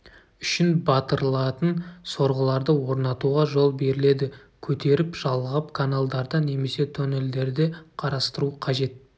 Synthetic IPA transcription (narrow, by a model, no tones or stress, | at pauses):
ʏʃɪnbɑt̪əɾlˠɑt̪ənso̞ɾʁəlˠɑɾd̪əwo̞ɾnɑt̪uʁɑʒo̞lˠbe̞ɾɪle̞d̪ɪ | kʲʰɵt̪e̞ɾɪpʒ̥ɑlˠʁɑpkʰanalˠd̪ɑɾd̪əne̞me̞se̞t̪ʰone̞ld̪e̞ɾd̪eqʰɑɾɑst̪əɾuqʰɑʒe̞t̪̚